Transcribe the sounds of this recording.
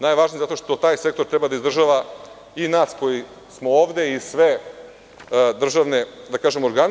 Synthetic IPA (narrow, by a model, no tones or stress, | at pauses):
naːjʋaʒnijzat̪o̞ʂt̪o̞t̪aːjse̞k̚t̪oɾt̪ɾebad̪aizd̪r̩ʒaʋa | inaːsko̞ji | smooːʋd̪e̞isʋe | d̪r̩ʒaʋne̞d̪akaːʒemo̞ɾɡan